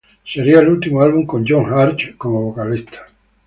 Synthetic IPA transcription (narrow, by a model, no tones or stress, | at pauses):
seɾiaelult̪imoalβuŋko̞nd͡ʒoŋxaɾt͡ʃkomoβokalist̪ʰḁ